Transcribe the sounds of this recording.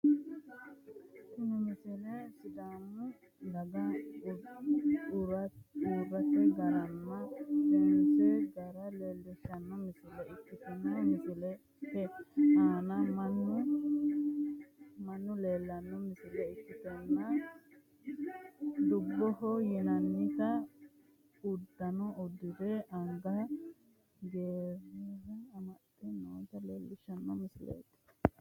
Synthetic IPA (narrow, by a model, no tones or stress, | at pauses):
kʊnʊmɪsɪlɛsɪd̪aːmːʊ | d̪ɐɡɐ | uɾɐuːrːɐt̪ɛɡɐɾɐnːɐtɛnsɛɡɐɾɐleːld̪ɛʃɐnːɐmɪsɪlɛɪkːɪt̪ɛnːɐmɪsɪlɛ | hɛhaːnɐmɐnːʊ | mɐnːʊleːlːɐnːɔmɪsɪlɛɪkːɪt̪ɛnːɐ | d̪ʊbːɔhɔjɪnɐnːɪkɐ | ʊd̪ːɐnɔʊd̪ːɪd̪ɛɐŋɡɐ | ɡeːɾɛɾɛɐmɐt̪ɛnːoːt̪ɐleːlːɪʃɐnːɔmɪsɪlḛːt̪ɪ̥